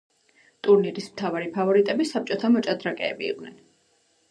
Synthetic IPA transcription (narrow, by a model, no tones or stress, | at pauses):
t̪ʼuɾniɾismt̪ʰavaɾipʰavɔɾit̪ʼɛbisap̚t͡ʃʼɔt̪ʰamɔt͡ʃʼad̪ɾakʼɛ̰ːbḭːqʼnɛn